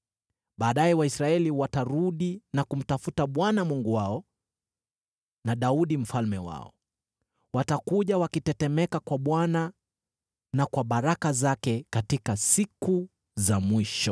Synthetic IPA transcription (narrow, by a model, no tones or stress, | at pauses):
ɓaːɗajɛwaisɾaɛliwataɾuɗinakum̩tafutaɓwanamuŋɡuwaɔ | naɗauɗim̩falmɛwa̰ɔ̰ | watakuʄawakitɛtɛmɛkakwaɓwana | nakwaɓaɾakazakɛkatikasiku | zamwiʃɔ